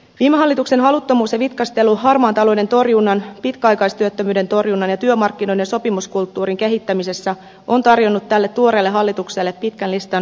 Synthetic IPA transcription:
ʋiːmeɦɑlːit̪ukse̞nɦɑlut̪ːomuːsjɑʋit̪kɑst̪eluɦɑrmɑːnt̪ɑlo̞jde̞nt̪o̞rjunːɑnpit̪kæɑjkɑjst̪yøt̪ːømyːde̞nt̪o̞rjunːɑnjɑt̪yømɑrkːino̞jdejɑso̞pimuskult̪ːuːɾiŋke̞ɦit̪ːæmise̞sːæ | ʔont̪ɑrjo̞nːut̪ːælːe̞t̪ːuoɾe̞ːlːeɦɑlːit̪ukse̞lːe̞pːit̪kænlist̪ɑn

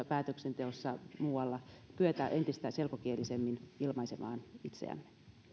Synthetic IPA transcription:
pæːt̪øksent̪eosːɑmuːɑlːɑpyøt̪æʔent̪ist̪æselkokielisemːinilmɑisemɑ̰ːnit̪sḛæ̰mːe̥

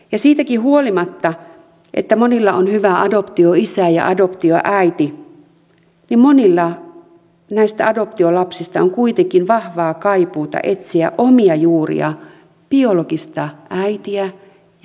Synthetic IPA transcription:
jɑsiːt̪ækihuolimɑt̪ːɑ | ʔḛt̪ːæmonilːɑʔonhyʋæɑdopt̪ioisæjɑ̰ʔɑdopt̪io̰ʔæit̪i | nimmonilːɑ | næist̪æɑdop̚t̪iolɑpsist̪ɑoŋkuit̪eŋkinʋɑhʋɑːkɑipuːt̪ɑ̰ʔet̪siæ̰ʔʔomiɑjuːrḭɑ̰ | piolokist̪ɑæit̪iæ

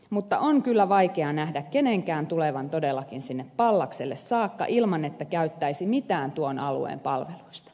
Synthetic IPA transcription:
mut̪ːɑ̰ʔoŋkylːæʋɑikeɑnæhdækkeneŋkæːnt̪uleʋɑnt̪odelːɑkinsinːeppɑlːɑkselːessɑːkːɑ̰ʔilmɑnet̪ːækæyt̪ːæisimit̪æːnt̪uonʔɑlṵḛːmpɑlʋeluist̪ɑ̥

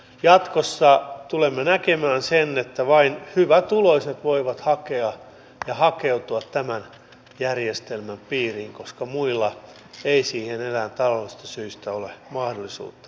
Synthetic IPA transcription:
jɑt̪kosːɑt̪ulemːenækemæːnsenːet̪ːæʋɑinhyʋæt̪uloiset̪ʋoiʋɑt̪hɑkeɑ | jɑhɑkeut̪uɑt̪tæmæn | jærjest̪elmæmpiːriːŋkoskɑmuilːɑ | eisiːhenelæːnt̪ɑlolːist̪ɑsyist̪æolemɑhdolˑisṵːt̪ːɑ̥

